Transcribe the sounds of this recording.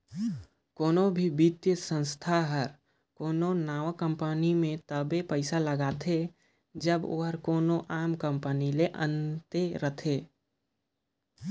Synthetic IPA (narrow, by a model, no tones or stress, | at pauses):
koːnobʱibit̪jəsə̃nst̪ʰaɦəɾ | koːnonaːʋəkə̃mpənimẽt̪əbepəɪsaləɡaːt̪ʰe | d͡ʒəbo̰ːɦəɾkoːnoʔaːmkə̃mpənileʔə̃nt̪eɾət̪ʰeː